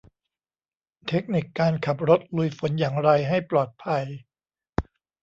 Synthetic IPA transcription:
t̪ʰe˦˥k̚ni˨˩kːaː˧nkʰa˨˩p̚ɾo˦˥t̪̚lu˧jfo˨˩˦njaː˨˩ŋɾa˧jɦa˥˩jplɔː˨˩t̪̚pʰa˧j

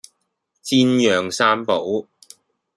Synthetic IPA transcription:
t͡siː˧njœː˨˩ŋsaː˥npo˨˥w

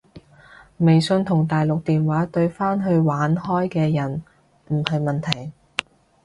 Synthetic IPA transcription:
me˨jsɵ˧nt̪ʰʊ˨˩ŋt̪aː˨jlʊ˨k̚t̪iː˨nwaː˨˥t̪ɵ˧ɥfaː˥nɦɵ˧ɥwaː˨˥nhɔː˥jkɛː˧jɐ˨˩n | m̩˨˩hɐ˨jmɐ˨nt̪ʰɐ˨˩j

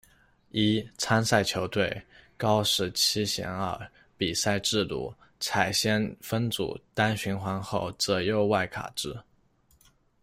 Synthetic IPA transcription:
i˥t͡sʰa˥nsa˥˩ɪt͡ɕʰjo˧˥ʊt̪we˥˩ɪkɑ˥ʊʂɻ̩˧˥t͡ɕʰi˥ɕjɛ̰˧˥nə˞˥˧˩ | pi˨˩sa˥˧ɪʈ͡ʂɻ̩˥˧t̪ṵ˥˩ | t͡sʰa˨˩ɪɕjɛ˥nfə˥nt͡sṵ˨˩t̪a˥nɕy˧˥nxwa˧˥nxo˥˩ʊt͡sɤ˧˥jo˥˧ʊwa˥˩ɪkʰa̰˨˩ʈ͡ʂɻ̩˥

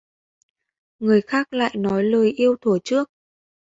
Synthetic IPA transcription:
ŋɨ˨˩əjxaː˦˥k̚la̰ː˧˨jnɔ˨˦jləː˨˩jʔi˧əwt̪ʰu˧˩t͡ɕɨ˦˥ək̚

